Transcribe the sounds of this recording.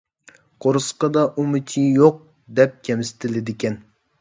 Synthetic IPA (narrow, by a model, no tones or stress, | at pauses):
qʰoɾɨsqɑd̪ɑʔumɪt͡ʃʰijoq̚ | d̪ɛp̚kʲʰɛmɪsɪ̥t̪ʰɪlɪd̪ɪkʲɛn